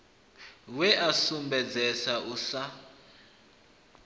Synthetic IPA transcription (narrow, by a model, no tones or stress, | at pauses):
wɛʔasumbɛd͡zɛsaʔusa